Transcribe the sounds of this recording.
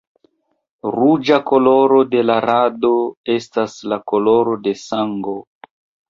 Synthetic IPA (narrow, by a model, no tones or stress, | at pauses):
ɾud͡ʒako̞lo̞ɾo̞de̞laɾado̞e̞staslako̞lo̞ɾo̞de̞saŋɡo̞